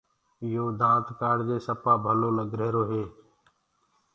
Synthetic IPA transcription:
ɪjoːd̪ãːt̪kaːɽd͡ʒeːsəpaːbʱənõːnəɡɾeːɾoːɦeː

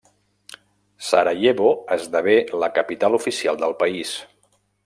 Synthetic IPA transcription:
sa̰ɾaʎeβoəzðəβeləkəpit̪alufisialˠd̪əlˠpəis

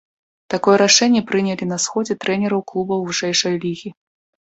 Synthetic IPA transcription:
t̪akɔjɛɾaʂɛnʲːɛpɾɨnʲɛlʲinɐsxɔd͡zʲɛt̪ɾɛnʲɛɾɐwklˠubɐwvɨʂɛjʂɐjlʲiɣʲi

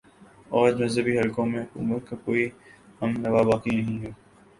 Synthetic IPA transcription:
ɔːd͡ʒmɐzəbiɦɐlkõːmẽɦʊkṵːmət̪̚kakoːihɐmnɐʋabaːkinɐɦĩoː

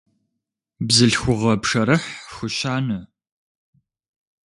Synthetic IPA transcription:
bzɨɬxʷʊʁɐpʂɐɾɨħxʷʊɕaːnɐ

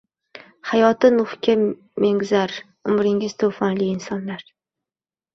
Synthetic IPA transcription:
hajɒt̪ɪnʊχkʲʰa | meŋzaɾ | ʊmɾɪŋɪz̥t̪ʰofanlɪːnsɒnlaɾ

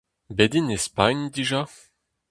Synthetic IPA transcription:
bed̪inespaɲd̪iʒa

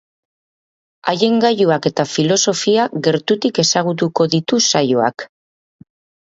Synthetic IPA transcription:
aje̞ŋɡajuake̞t̪afilo̞so̞fiaɣe̞ɾt̪ut̪ike̞saɣ̞ut̪uko̞ðit̪usajoa̰k

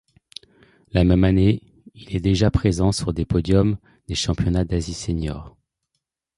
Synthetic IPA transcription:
lamɛmane | ilɛd̪eʒapχezɑ̃syʁd̪epɔd̪jɔm | d̪eʃɑ̃pjɔnad̪aziseɲjɔːʁ

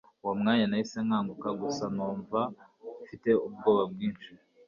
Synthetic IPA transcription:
wamŋaːɲanahiseŋhaːŋɡukaɡusanuːɱva | fite̞ubɡo̞ːβabɡiːnʃi

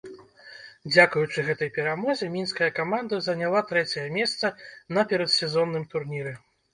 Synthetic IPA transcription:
d͡zʲakujut͡ʂɨɣɛt̪ɐjpʲɛɾamɔzʲɛmʲinskɐjɐkamand̪ɐzɐnʲalˠat̪ɾɛt͡sʲɐjɐmʲɛst̪sɐnɐpʲɛɾɐt̪sʲɛzɔnːɨmt̪urnʲiɾɨ

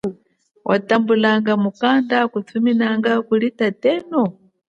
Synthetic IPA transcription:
wʔa̰tambulaŋɡamukandakut͡sʰuminaŋɡakulitatɛːnɔ

